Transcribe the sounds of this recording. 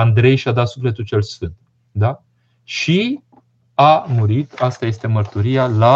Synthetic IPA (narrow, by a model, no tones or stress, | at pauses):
and̪ɾe̞jʃiad̪at̪sufle̞t̪ult͡ʃe̞lsfɨnt̪̚ | d̪a | ʃi | amuɾit̪ast̪aje̞st̪e̞mərt̪uɾijala